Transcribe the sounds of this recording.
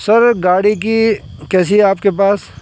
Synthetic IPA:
sɐɾɡaːɽik̬ikɛːsiaːpkepaːs

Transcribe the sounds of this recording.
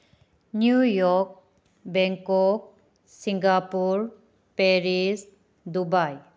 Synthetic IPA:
njujɔk̚ | bɛŋkɔk̚ | siŋɡapuɾ | peɾis | dubaj

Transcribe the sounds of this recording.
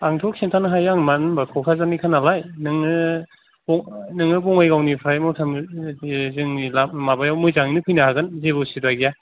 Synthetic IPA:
aŋtʰɔk̚sentʰanaɦajaŋmannbakʰɔkʰazanikʰanalajnɯŋɯ | bɔŋnɯŋɯbɔŋajɡawnipʰɾajmɔwtʰam | zɯŋilamabajawmɯjzaŋnɯpʰɯjnaɦaɡɯnzebɯsidaɡija

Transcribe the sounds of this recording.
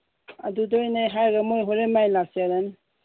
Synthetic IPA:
a̰dudɔjnajɦajɡamojɦoɾemajlasijaɾan

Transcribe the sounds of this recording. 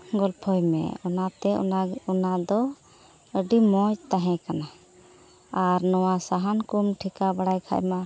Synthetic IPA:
ɡɔlpʰɔjmɛ̰ɔnat̪ɛɔnad̪ɔ | əɖimɔjt̪aɦɛ̃kana | aɾnɔwasaɦankumʈʰikabaɽajkʰa̰ʔjma

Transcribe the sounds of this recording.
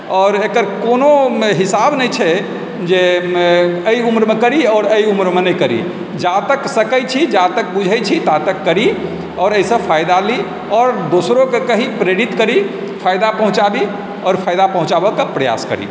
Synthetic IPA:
ɔːɾekəɾkonoɦisabnəjt͡ʃʰɛ | d͡ʒe | əjumɾmekəɾiɔːɾəjumɾmenəjkəɾḭ | d͡ʒat̪əksəkəjt͡ʃʰid͡ʒat̪ək̚bud͡ʒʱɛjt͡ʃʰit̪at̪əkːəɾi | ɔːɾəjsə̃pʰajd̪ali | ɔːɾd̪osɾokekəɦipɾeɽit̪kəɾi | pʰajd̪apəɦũt͡ʃabi | ɔːɾpʰajd̪apəɦũt͡ʃabəkepɾəja̰skə̰ɾḭ

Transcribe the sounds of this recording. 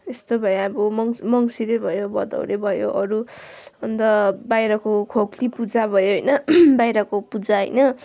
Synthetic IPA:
est̪obʱʌjabomʌŋmʌŋsiɾebʱʌjobʌd̪ʌ̰wɾebʱʌjo̰ʔʌɾuʌnd̪ʌbajɾʌkokʰoklipud͡zabʱʌjoɦʌjnʌbajɾʌkopud͡zaɦʌ̰jnʌ

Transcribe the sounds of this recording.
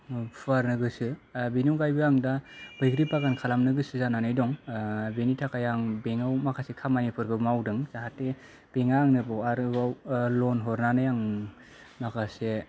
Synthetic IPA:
pʰaɾnɯɡɯsɯbinukajbɯjaŋdab̥ɯjkɾipaɡankʰalamnɯɡɯsɯzananajdɔŋbenitʰakajaŋbeŋawmakʰasekʰamanipʰɯɾbɯmawdɯŋzaɦatːe | b̥eŋaŋnɯbawaɾɯbawlɔnɦɔɾnanɯjaŋ | makʰase

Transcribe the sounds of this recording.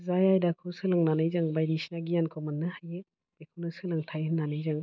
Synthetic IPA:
zajajdakʰɯsɯlaŋnanɯjzaŋbajdisnaɡijankʰɔmɯnːɯhaje | bekʰɯnɯsɯlaŋtʰajɦɯnːanɯjzaŋ

